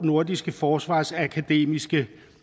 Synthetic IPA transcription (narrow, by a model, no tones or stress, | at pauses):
no̝ɐd̥isɡ̥əfɒːsʋɑ̰̈ːsækʰæd̥e̝̰ːmisɡ̥ə